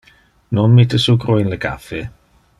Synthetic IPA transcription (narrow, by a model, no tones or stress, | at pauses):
nɔnmitʰəsuɡrʊjnləɡa̰fɪ